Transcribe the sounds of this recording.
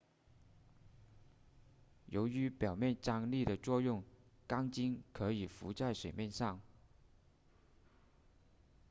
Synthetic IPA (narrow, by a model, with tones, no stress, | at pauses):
jo˧˥ʊy˧˥pjɑ˨˩ʊmjɛ˥˩nʈ͡ʂɑ˥˩ŋli˥˩d̪ə˩t͡swɔ˥˧jʊ˥˩ŋkɑ˥ŋt͡ɕi˥ŋkʰɤ˧˥i˨˩fu˧˥t͡sa˥˩ɪʂwe˨˩ɪmjɛ˥˧nʂɑ˥˩ŋ